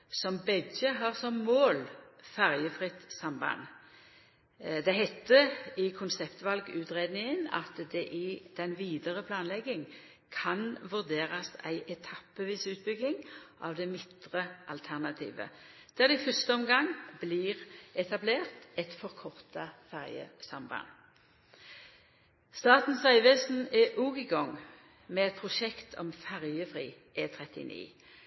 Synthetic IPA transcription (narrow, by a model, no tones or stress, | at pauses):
sɔmbɛɡəɦɑʁsɔmːoːlfæʁjəfʁɪt̪sɑmbɑ̰n | d̪ɛɦɛt̪ːəɪkʰʊnsɛpt̪ʋɑlɡʉːt̪ʁeːd̪nɪŋənɑ̰t̪d̪ɛʔɪd̪̥ɛnʋiːd̪əʁəpʰlɑːnlɛɡːɪŋ | kʰɑnʋʉʁd̪eːʁɑsæ̰ɪʔɛt̪ʰɑpːəʋiːsʉːt̪̚bʏɡ̪ːɪŋʔɑ̰ʋd̪ɛmɪt̪ʁəʔɑ̰lt̪ʰæʁnɑt̪ʰḭːʋə̰ | d̪̥æːʁd̪ɛɪfœʁst̪əɔmɡɑŋbliːʁɛt̪ɑbleːʁt̪ɛt̪fɔʁkʰɔʁt̪ɑfæʁjə̰sɑmbɑ̰n | st̪ɑːt̪n̩sæɪʋɛːsn̩ɛʔuːɡɪɡɔŋ | mɛːɛt̪̚pʰʁʊʃɛkt̪ʰɔmfæʁjəfʁiː | ʔeːt̪ʰʁɛt̪ɪ̰nḭː